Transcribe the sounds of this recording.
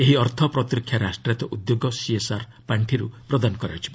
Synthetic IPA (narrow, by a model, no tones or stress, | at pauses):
eɦiɔɾt̪ʰɔpɾɔt̪ɾikʰːjaɾasʈɾet̪ɔʔud̪joɡɔsiesaɾ | paɳʈʰiɾupɾɔd̪anɔkɔɾeɔt͡ʃʰi̥ba